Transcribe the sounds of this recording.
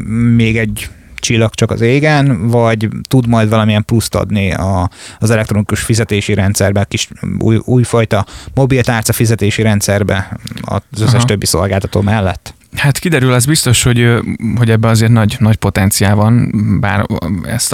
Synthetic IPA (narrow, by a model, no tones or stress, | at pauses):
meːɡɛɟ | t͡ʃilːɒkt͡ʃɒkɒ̰zeːɡɛnvɒɟt̪ud̪mɒjd̪vɒlɒmijɛmplust̪ɒ̰d̪niɒzɛlɛkt̪ro̞nikuʃfizɛt̪eːʃiɾɛnt̪sɛrbɛkiʃṵjuːjfɒjt̪ɒmo̞bilt̪aːrt̪sɒfizɛt̪eːʃiɾɛnt̪sɛrbɛ̰ɒ̰zøsːɛʃtø̞bːiso̞̰lɡaːt̪ɒ̥t̪o̰ːmɛlːɛ̰t̪ː | hat̪kid̪ɛɾylɛzbist̪o̞ʃho̞ɟhoɟɛbːɛɒzeːrt̪nɒɟnɒcpo̞t̪ɛnt̪sijaːlvɒnba̰ːɾɛ̰st̪